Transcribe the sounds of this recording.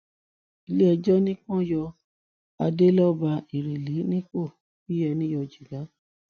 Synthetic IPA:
i˧˦le˦ɛ˧d͡ʒɔ˦nĩ˦kɔ̃˦jɔ˧ | a˧de˦lɔ˦ba˧i˨ɾe˨li˨˦nĩ˦k͡po˦˨ | fi˦jɛ˧nĩ˦jɔ˧d͡ʒi˨ɡa˨˦

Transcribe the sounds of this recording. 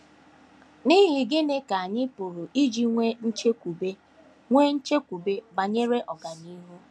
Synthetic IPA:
ni˦ɦi˨ɡɪ˦ne˦ka˨a˨ɲɪ˦pʊ˨ɾʊ˨ʔi˦d͡ʒi˦ŋʷe˦n̩˦t͡ʃe˦kʷu˨be˦ | ŋʷe˦n̩˦t͡ʃe˦kʷu˨be˦ba˨ɲe˦ɾe˦ʔɔ˨ɡa˨ni˦ɦu˦

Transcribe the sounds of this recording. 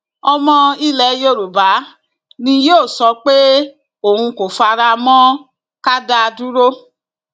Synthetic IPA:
ɔ˧mɔ̃˧i˦lɛ˨˦jo˧˨ɾu˨ba˨˦ | nĩ˧joː˦˨sɔ˧k͡pe˦ | o˨hũ˧ko˨fa˧ɾa˧mɔ̃˦ | ka˦da˦˧du˦ɾo˦

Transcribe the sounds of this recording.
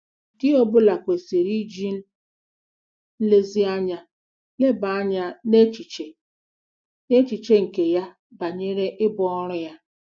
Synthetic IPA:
dɪ˦o˦bʊ˦la˨kʷe˨se˨ɾi˦d͡ʒi˦n̩˦ | n̩˦le˦zi˦a˦ɲa˨ | le˦ba˨a˦ɲa˨ne˦t͡ʃi˨t͡ʃe˨ | ne˦t͡ʃi˨t͡ʃe˦ŋ̩˨ke˨ja˦ | ba˨ɲe˦ɾe˦ʔɪ˦bɔ˦ɔ˦ɾʊ˦ja˦

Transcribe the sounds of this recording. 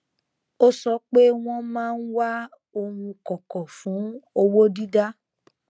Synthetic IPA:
o˦sɔ˦k͡pe˦w̃ɔ̃˦mãː˦˧n̩˦wa˦ | o˧hũ˧kɔ̃˨kɔ̃˨fũ˨˦o˧wo˦di˦da˦

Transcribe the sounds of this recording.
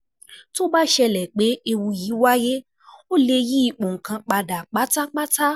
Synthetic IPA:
to˦ba˦ʃɛ˧lɛ˨k͡pe˨˦e˧wũ˧ji˨˦wa˦je˦ | o˦le˧ji˦i˧˨k͡po˨ŋ̩˨kã˧k͡pa˧da˨k͡pa˨˦ta˦k͡pa˦ta˦

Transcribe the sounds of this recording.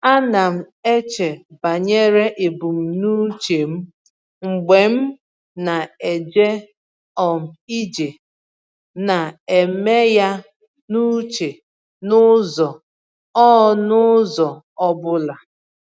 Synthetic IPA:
a˦na˨m̩˨ | e˦t͡ʃe˨ba˨ɲe˦ɾe˦ʔe˨bu˨m̩˨nu˦t͡ʃe˨m̩˦ | ŋ͡m̩˨ɡ͡be˨m̩˦ | na˨e˨d͡ʒe˦ | ɔ˨m̩˨i˦d͡ʒe˨ | na˨e˨me˦ja˦ | nu˦t͡ʃe˨ | nʊ˦zɔ˨ | ɔ˦ɔ˦nʊ˦zɔ˨ | ɔ˦bʊ˦la˨

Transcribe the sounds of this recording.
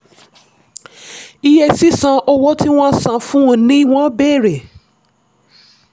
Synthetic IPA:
i˧jɛ˧si˦sã˧ʔɔ˧wɔ˦ti˦w̃ɔ̃˦sã˨fũ˦nĩ˦w̃ɔ̃˦bɛ˦˨ɾɛ˨

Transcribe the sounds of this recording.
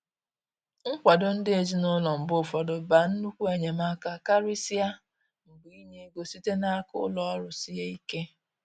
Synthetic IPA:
ŋ̩˦kʷa˨dɔ˦n̩˦dɪ˦e˨d͡ʒi˦nʊ˦lɔ˨m̩˨bʊ˦˨fɔ˨dɔ˨ba˨n̩˦nu˦kʷu˦e˨ɲe˨ma˦ka˦ka˦ɾi˦si˦a˦ | m̩˨bi˨i˦ɲe˦ɡo˨si˦te˦na˦kʊ˦ʊ˦lɔ˦ɔ˦ɾʊ˨si˦ɦe˦i˦ke˦

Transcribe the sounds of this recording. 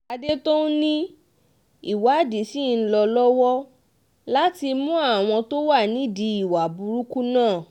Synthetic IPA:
a˧de˦to˦nĩ˦ | i˦˨wa˨˦˨di˨˦si˦˨n̩˦lɔ˧lɔ˦wɔ˦ | la˦ti˧mũ˦a˦˨w̃ɔ̃˧to˦wa˦˨nĩ˨˦˨di˧i˦˨wa˨bu˧ɾu˦ku˦nãː˦˨

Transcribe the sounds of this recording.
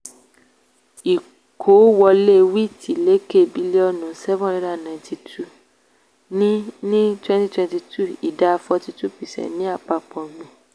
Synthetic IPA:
i˨ | kʰo˨˦wɔ˧le˦wi˦˨tʰi˨˦˨le˦ke˦˨bi˨˦le˦ɔ˧nũ˨sɛ˦vɔ̃˦ɾɛ˧˦da˦˨nã˨nti˧tʰu˦˨ | nĩ˦nĩ˦twɛ̃˦˧nti˦twɛ̃˧nti˧tʰu˦˨i˨da˨˦˧fɔ˧ti˧tu˦pi˨sɛ̰˨nĩ˦a˦˨k͡pa˧k͡pɔ̃˨mĩ˧

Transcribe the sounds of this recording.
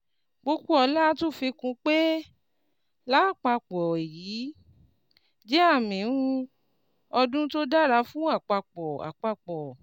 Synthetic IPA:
k͡po˦ku˦ɔ˧la˦to˦˨fi˧kũ˧k͡pe˦ | la˨˦˨k͡pa˧k͡pɔ˨e˨jiː˨˦ | d͡ʒe˦a˦˨mĩ˨˦ũ˦ | ɔ˧dũ˦to˦da˦˨ɾa˧fũ˦a˦˨k͡pa˧k͡pɔ˨a̰˨k͡pa˧k͡pɔ˨

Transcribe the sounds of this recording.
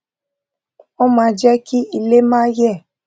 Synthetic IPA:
ɔ˦mãː˧d͡ʒɛ˦ki˦i˧le˦mãː˦jɛ˦˨

